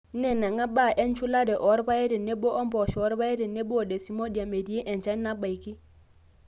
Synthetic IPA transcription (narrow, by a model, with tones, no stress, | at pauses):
n̩˦nɛ˦˨na˨ŋa˦ba˦˨ʔɛ˦n̩˦t͡ʃʰu˦la˦dɛ˨ʔɔ˨˦ɾɪ˦ba˦ɛ˦ɾɛ˨ne˦bɔ˦ʔɔ˦m̩˦pɔ˨ʃɔ˨˦ɾɪ˦ba˦ɛ˦ɾɛ˨ne˦bʊ˦ɔ˨dɛ˨si˨˦mɔ˦di˨a˨me˨di˨ɛ˦ʔɛ˨n˨t͡ʃa˦n̩˦na˦ba˨i˨ki˦